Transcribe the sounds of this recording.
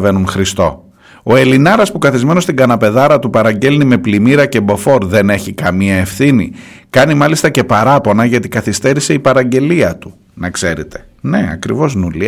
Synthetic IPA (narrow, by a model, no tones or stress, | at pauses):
ve̞nunxɾist̪o̞ | o̞e̞linɐɾɐspukɐθizme̞no̞st̪iɡɐnɐpe̞ðɐɾɐt̪upɐɾɐɲɟe̞lnime̞plimiɾɐce̞bo̞fo̞ɾðe̞ne̞çikɐmiɐe̞fθinḭ | kɐnimɐlist̪ɐce̞pɐɾɐpo̞nɐʝɐt̪ikɐθist̪e̞ɾise̞ipɐɾɐɲɟe̞liɐt̪u̥ | nɐkse̞ɾet̪e̞̥ | ne̞ɐ̰kɾivo̞znuli